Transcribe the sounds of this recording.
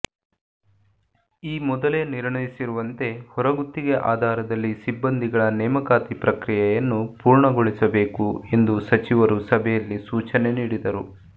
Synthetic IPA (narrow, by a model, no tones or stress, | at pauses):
iːmɔd̪ɐleniɾɳɐjisiɾuʋɐnt̪e̞hɔɾɐɡut̪ːiɡeʔaːd̪ʱaːɾɐd̪ɐlːisibːɐnd̪ʱiɡɐɭɐnɛːmɐkaːt̪ipɾɐkɾijɛjɐnːupuːɾɳɐɡoɭisɐbe̞ːkue̞nd̪usɐt͡ʃiʋɐɾusɐbʱɛjɐlːisuːt͡ʃɐne̞niːɽid̪ɐɾu